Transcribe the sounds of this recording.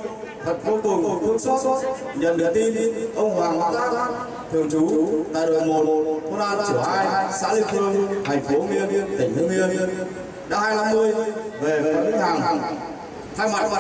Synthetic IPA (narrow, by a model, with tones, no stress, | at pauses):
t̪ʰə˨˩t̚ko˨˧˦k̪ʊ˨˩ŋ͡mkkʰu˦˥əŋsə˦˥t̚t̚ | ɲə̰˧˨nɗɨ̰˨˧˩ət̪i˧nʔə˧wŋ͡mɦwaː˨˩ŋɓaː˧˦ŋʔaː˦˥k̚ | t̪ʰi˨˩ə˩wt͡ɕu˨˦t̪a̰ː˧˨jɗɨ˨˩əŋmo˨˩t̚ko˧ɗaː˧t͡ɕɨ˧˩haː˧˩jsa̰ː˧˥lï˧˩ŋmɨ˧ənt̪ʰa˨˩jŋ̟fo˨˦mi˧ənət̪ʰï˨˧˩ŋ̟fu˨˦mi˧ən | ɗa̰ː˧˦˥haː˧jla˧mːɨ˧əjve˨˩ve˨˩˦və˨˦haː˨˩ŋɦa˨˩ŋ | t̪ʰaː˧jma˨˩t̚